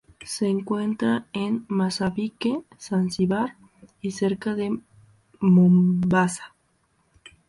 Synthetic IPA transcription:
seːŋkwent̪ɾaenmasaβike | sansiβaɾ | iseɾkaðe | mombasḁ

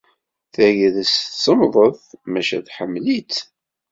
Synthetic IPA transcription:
θæʝəðəssəmðˤəθmæʃæ̰ðħəmːlit͡s

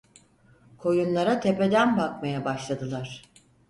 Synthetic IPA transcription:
kʰo̞junlˠaɾat̪ʰe̞pe̞d̪ænbakmajabaʃlˠad̪ɯlˠaɾ̥

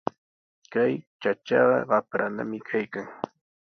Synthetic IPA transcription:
kajt͡ʃat͡ʃɑɢɑɢɑpɾana̰mɪkʰajkaŋ

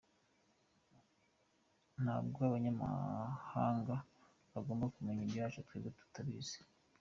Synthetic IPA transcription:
n̥ha̰ːbɡoaβaɲama̰ha̰ːŋɡa | βaɡo̞ːmbakumeɲiɲɟiwaːt͡ʃutweːbɡetu̥taβiːz̥e̥

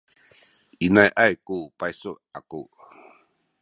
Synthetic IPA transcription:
inajʔajkopajso | ako

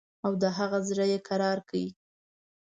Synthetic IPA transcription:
awd̪əɦaɣazɾəjekaɾɑɾkawi

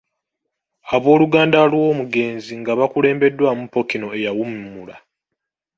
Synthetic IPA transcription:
aβo̞ːluɡaːndalwo̞ːmuɡe̞ːnziŋɡaβakule̞ːmbe̞dːwamupːo̞kino̞e̞jawumimːula

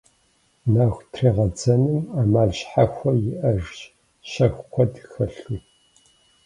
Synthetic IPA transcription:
naːxʷtʰreːʁɐd͡zɐnɨmaːmaːlɕħaxʷɔjɪʔɐʒɕ | ɕɐxʷkʷʰɔdxɐɬuː

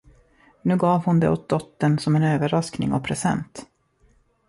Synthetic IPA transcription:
nʉ̟ːɡɑːvhʊnd̪ɛ̰ot̪̚d̪ɔt̪ːənsɔmɛnøːvəɾasknɪ̰ŋɔpʰɾɛsɛ̰nt̪

